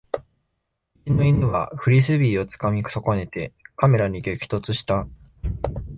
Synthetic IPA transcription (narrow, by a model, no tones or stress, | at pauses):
it͡ɕino̞inɯβa̰ɸɯ̟ɾʲis̬ɨbʲiːo̞t͡sɨ̥kamʲiksoko̞ne̞t̪e̞kame̞ɾaɲ̟iɡ̪ekʲi̥t̪o̞t͡sɨɕi̥t̪a